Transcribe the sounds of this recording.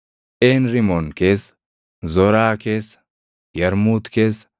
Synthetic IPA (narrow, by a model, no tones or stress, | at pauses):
ʔeːnɾɪmɔnkeːs | zɔɾaːkeːs | jɐɾmuːt̪keːs